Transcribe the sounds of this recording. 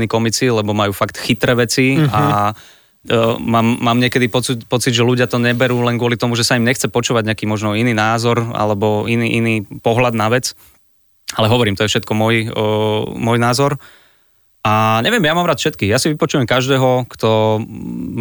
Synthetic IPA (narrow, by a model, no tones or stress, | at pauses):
niːkɔmit͡silɛbɔmajuːfakt̪xit̪ɾɛːʋɛt͡sia | mːaːmːaːmɲɪɛkɛd̪ipɔt͡sipɔt͡sid̪ʒɛluɟɪat̪ɔɲɛbɛɾuːlɛnɡʊɔlit̪ɔmuʒɛsaimɲɛxt͡sɛpɔt͡ʃuːʋaɟɲɛakiːmɔʒnɔiniːnaːzɔɾa̰lɛbɔiniːʔiniːpɔɦlad̪naʋɛt͡s | alɛɦɔʋɔɾiːmt̪ɔjɛfʃɛt̪kɔmɔj | mɔjnaːzɔɾ | ʔaɲɛʋɪjɛmjamaːmɾaːt̪fʃɛt̪̚kiːɣjasiʋipɔt͡ʃujɛmkaʒd̪ɛːɦɔkt̪ɔ